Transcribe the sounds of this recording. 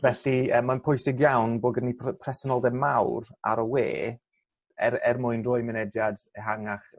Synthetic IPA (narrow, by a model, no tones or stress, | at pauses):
vɛɬiəːmːanpʰʊjsɪɡjawnboːɡənːipʰpʰrɛsɔnɔlˠdɛmawɾa̰ɾɔwḛː | ɛrɛrmʊɨnrʊːɨmɪnɛdjadɛɦaŋaχ